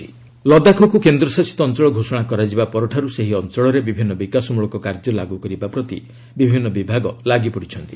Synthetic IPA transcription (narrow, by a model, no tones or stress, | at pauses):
i | lɔd̪akʰokukend̪ɾɔsasi̥t̪ɔːnt͡ʃɔɭɔɡʱosɔɽ̃akɔɾad͡ʒibapɔɾɔʈʰaɾuseɦiɔnt͡ʃɔɭɔɾebibʱinːɔbikasɔmuɭɔkɔkaɾd͡ʒɔlaɡukɔɾibapɾɔt̪ḭ | bibʱinːɔbibʱaɡɔlaɡipɔɽit͡ʃʰɔnt̪i̥